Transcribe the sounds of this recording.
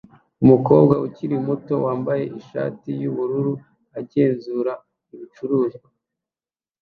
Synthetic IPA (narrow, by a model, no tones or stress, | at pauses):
umuko̞ːbɡaʔuciɾimuto̞waːmbaje̞ʔiʃa̰ːtijuβuɾuɾu | aɟe̞ːnzuːɾa | iβit͡ʃuɾuːza